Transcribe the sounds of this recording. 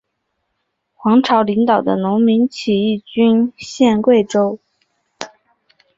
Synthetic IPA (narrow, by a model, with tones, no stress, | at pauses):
xwɑ˧˥ŋʈ͡ʂʰɑ˧˥ʊli˧˥ŋt̪ɑ˨˩ʊd̪ə̰˦nʊ˧˥ŋmi˧˥nt͡ɕʰi˨˩i˥˩t͡ɕy˥nɕjɛ˥˧nkwe˥˩ɪʈ͡ʂo˥ʊ